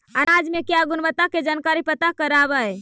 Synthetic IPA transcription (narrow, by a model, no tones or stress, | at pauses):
əɾad͡ʒmekeaɡunbət̪ːaked͡ʒankaɾipət̪akəɾabəj